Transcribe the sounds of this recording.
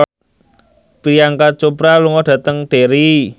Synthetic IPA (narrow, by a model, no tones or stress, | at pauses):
pɾijaŋkat͡ʃopɾaluŋɔɖ̥ä̤t̪əŋɖ̥e̤ɾi